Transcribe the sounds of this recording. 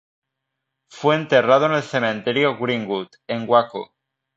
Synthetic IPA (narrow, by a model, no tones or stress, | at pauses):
fweːnt̪erað̞one̞lθemẽnt̪eɾjoɣɾiŋɡut̪eŋɡwako